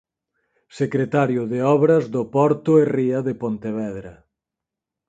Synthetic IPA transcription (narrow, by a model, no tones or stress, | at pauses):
sekɾet̪aɾjʊðeɔβɾɐzðʊpɔɾt̪ʊeriɐðepont̪eβɛðɾɐ